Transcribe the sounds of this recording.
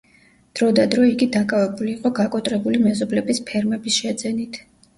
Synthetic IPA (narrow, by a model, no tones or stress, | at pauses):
d̪̥ɾɔd̪ad̪ɾɔiɡid̪akʼavɛbuliːqʼɔɡakʼɔt̪ʼɾɛbulimɛzɔblɛbispʰɛɾmɛbisʃɛd̪zɛnit̪ʰ